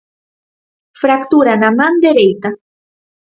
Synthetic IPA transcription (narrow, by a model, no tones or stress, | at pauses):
fɾakt̪uɾanamand̪eɾejt̪a